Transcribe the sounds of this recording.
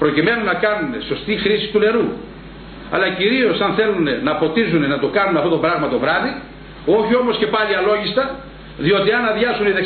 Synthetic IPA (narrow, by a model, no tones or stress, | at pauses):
pɾo̞cime̞nunɐkɐnune̞so̞st̪ixɾisi̥st̪une̞ɾu | ɐ̰lɐciɾio̞sɐnθe̞lune̞nɐpo̞t̪izune̞nɐt̪o̞kɐnuneɐft̪o̞t̪o̞bɾɐɣmɐt̪o̞vɾɐði | o̞çio̞mo̞sce̞pɐliɐlo̞ʝist̪ɐ | ðio̞t̪iɐnɐðʝɐsunine